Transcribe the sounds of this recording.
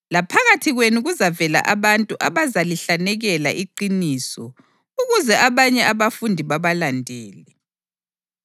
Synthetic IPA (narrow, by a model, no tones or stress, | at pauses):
lapʰaɣatʰiɣwenuɣuzavɛla̰ʔaβantʼuʔaβazaliɬanɛɣɛla̰ʔiǃiniːsɔ | uɣuzɛʔaβaɲɛaβafundʱiβaβalandʱeːlɛ